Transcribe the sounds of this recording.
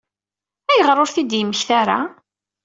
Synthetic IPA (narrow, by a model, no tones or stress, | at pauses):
æjəʁɾˤoɾθid̪jəməçθaɾa̰